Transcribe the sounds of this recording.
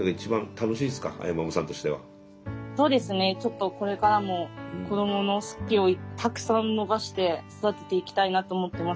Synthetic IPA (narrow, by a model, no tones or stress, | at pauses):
aɡait͡ɕibãnt̪ano̞ɕiːd̪esɨ̥ka̰a̰jamamosãnt̪o̞ɕi̥t̪e̞βa̰ | so̞ːd̪e̞sɨne̞t͡ɕo̞t̪ːo̞ko̞ɾe̞kaɾamo̞kʰo̞d̪o̞mo̞no̞sɨ̥kʲio̞it̪akɯ̟̥sãnnːo̞baɕi̥t̪e̞sod̪at̪e̞̥t̪e̞ikʲi̥t̪ainat̪oːmo̞t̪ːe̞mas